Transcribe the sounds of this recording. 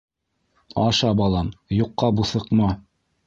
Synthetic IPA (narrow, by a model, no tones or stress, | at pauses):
ɑʃɑbɑlˠɑmjuqːɑbuθɤ̆qmɑ